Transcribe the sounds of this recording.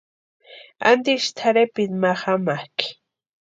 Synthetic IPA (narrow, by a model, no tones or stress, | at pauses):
a̰nt̪iʃt̪ʰaɾepɪt̪maχamak